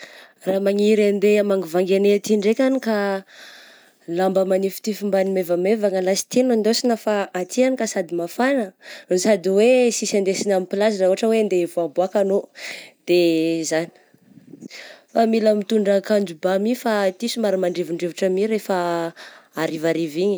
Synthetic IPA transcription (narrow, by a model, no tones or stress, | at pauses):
ramaŋiɾand̪eamaŋivaŋɡenet̪iɳɖ͡ʐekʲanika | lambəmanifi̥t̪ifimbanimevamevaŋəlasi̥t̪inand̪osinafaʔat̪ʰianikasad̪imafanəosad̪iwesisand̪esinamipilazinauɦaʈ͡ʂəwend̪evoaboakanod̪̥ezani̥ | familamit̪uɳɖ͡ʐakand͡ʒubamifat̪isumaɾamaɳɖ͡ʐiviɳɖ͡ʐevuʈ͡ʂəmiɾefa | aɾivaɾiviɲi